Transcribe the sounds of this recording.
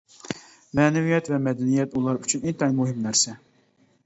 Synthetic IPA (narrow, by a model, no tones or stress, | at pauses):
mɛnɛvijɛt̪vɛmɛd̪ɛnijɛt̪ulˠɑɾyt͡ʃʰynɛjt̪ʰɑimuɦɪmnæɾsɛ